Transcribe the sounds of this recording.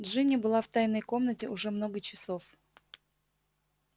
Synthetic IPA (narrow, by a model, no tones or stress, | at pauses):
dʐɨnʲəbɨlˠaft̪ajnəjko̞mnətʲɪʊʐɛmno̞ɡət͡ɕɪ̥sof